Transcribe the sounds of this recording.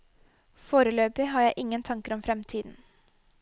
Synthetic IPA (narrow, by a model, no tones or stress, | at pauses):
foːɾəløːpɪɦɑːɾjæɪʔɪŋːənt̪ʰɑŋkəɾɔmfɾɛmt̪ʰiːd̪n̩